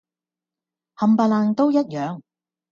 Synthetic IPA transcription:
hɐ˨mpaː˧laː˧nt̪o˥wjɐ˥t̚jœː˨˧ŋ

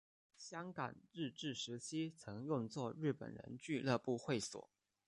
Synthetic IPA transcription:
ɕjɑ˥ŋkɑ̰˨˩ŋɻɻ̩˥˧ʈ͡ʂɻ̩˥˩ʂɻ̩˧˥t͡ɕʰi˥t͡sʰɤ˧˥ŋjʊ˥˧ŋt͡swɔ˥˧ɻɻ̩˥˩pə̰˨˩nɻə̰˧˥nt͡ɕy˥˧lɤ˥˧pu˥˧xwe˥˩ɪswɔ̰˨˩˦

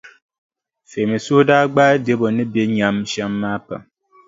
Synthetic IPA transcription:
fe˨mi˨su˦hdaː˦ɡ͡baː˦de˦bɔ˨nɨ˦be˦ɲa˨mʃa˦mːaː˦pa̰˨m

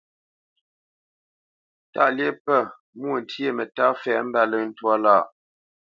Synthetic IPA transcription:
ta̰˦lje˦pə˦˨ | mwu˦o˨n̩˨tʰje˦˨mə˨ta˦fɛ˨m̩˦ba˦˨lə˨n̩˦twɔ˦laː˦˨ʔ

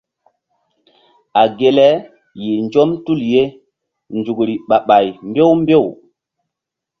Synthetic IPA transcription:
a˨ɡe˨lɛ˦ | ji˨nd͡ʒo˦mtu˦˨lje˦ | nd͡ʒu˨kɾi˨ɓa˨ɓa˨jmbe˦wmbe˦˨w

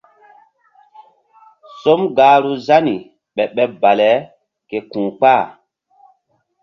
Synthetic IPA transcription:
so˦mɡaː˨˦ɾu˦za˦ni˨ | ɓɛ˨ɓɛ˨ba˨lɛ˨˦ | ke˨kũː˨k͡pa˦˨

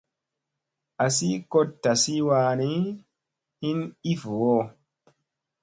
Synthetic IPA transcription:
ʔa˨si˦ko˦tːa˨si˦waː˧ni˦ | hi˦ni˦vo˨wo˦

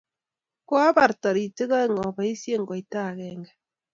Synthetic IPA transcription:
kwa˦ba˨ɾtɔ˨ɾi˨tɪ˦ɣa˦e˦˨ŋɔ˨ba˨i˦sje˦ŋɡɔ˨i˨ta˦˨kɛ˨ŋɡɛ˨

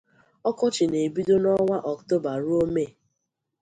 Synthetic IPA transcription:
ɔ˦kɔ˦t͡ʃɪ˨ne˨bi˦do˦nɔ˦ŋʷa˦ʔɔ˨kto˦ba˨ɾu˦o˦me˦˨

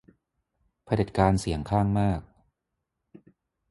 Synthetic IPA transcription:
pʰa˧de˨˩t̪̚kaː˧nsi˩˦əŋkʰaː˥˩ŋmaː˥˩k̚

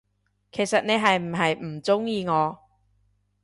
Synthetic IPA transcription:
kʰe˨˩jsɐ˨t̚ne˨˧jɦɐ˨jm̩˨˩ɦɐ˨jm̩˨˩t͡sʊ˥ŋjiː˨˧ŋɔː˨˧

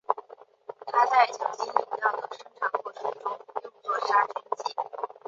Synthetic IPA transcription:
t̪ʰa˥t͡sa˥˩ɪt͡ɕʰjɑ˧˥ŋt͡ɕi˥nʊ˥˩ŋjɑ˥˩ʊd̪ə˩ʂɤ˥˩ŋʈ͡ʂʰɑ˨˩ŋkwɔ˥˩ʂ̩˥ʈ͡ʂʊ˥ŋjʊ˥˧ʊt͡swɔ˥˧ʂa˥˩t͡ɕʰɥɛ˥nt͡ɕi˥˩

